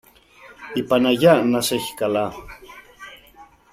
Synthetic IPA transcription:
ipanajaʔnaseçkala

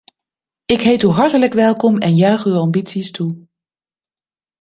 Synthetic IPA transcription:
ɪkɦejtyɦɑɹtələkʋɛlˠkɔmɛnjœɥχywɑmbitsistu

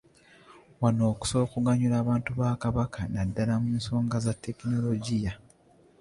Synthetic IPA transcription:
wano̞ːku̥so̞ːkuɡaɲulaːβaːntuβaːkaβakʰanadːalamuːnso̞ːŋɡazatːe̞kino̞lo̞ɟija

